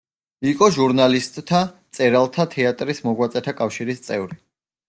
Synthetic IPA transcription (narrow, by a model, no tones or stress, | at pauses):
ikʼɔʒuɾnalist̪ʼt̪ʰːat̪sʼɛɾalˠt̪ʰat̪ʰɛat̪ʼɾismɔɡwat̪sʼɛt̪ʰakʼafʃiɾist̪sʼɛvɾi